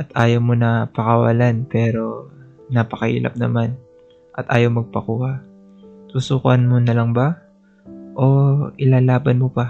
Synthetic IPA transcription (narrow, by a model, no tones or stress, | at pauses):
ʔɐt̪ʔaːjowmonɐpɐkɐwɐ̰lanpɛːɾo̞ | napɐkɐhḭːlʔɐ̰p̚nɐ̰man | ʔɐt̪ʔa̰ːjowmɐɡ̚pɐkuːha | t̪uːsuːkɐnmonɐlɐŋba | ʔo̞ɪlaːlaːbɐnmopa